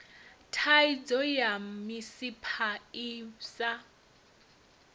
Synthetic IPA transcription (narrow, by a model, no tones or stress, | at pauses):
tʰaid͡zɔjamisipʰaiːsa